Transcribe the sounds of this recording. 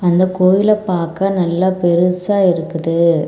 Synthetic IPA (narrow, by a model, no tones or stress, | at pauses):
ɐnd̪ɐkoːjɪlɐpːaːɾkaːnɐlːapɛɾɯsaːɪɾɯkːɯðɯ